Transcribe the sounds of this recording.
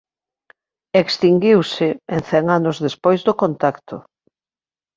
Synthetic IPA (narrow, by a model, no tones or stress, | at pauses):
ekst̪iŋɡiwsɪenθɛŋanʊzðespojzdʊkont̪akt̪ʊ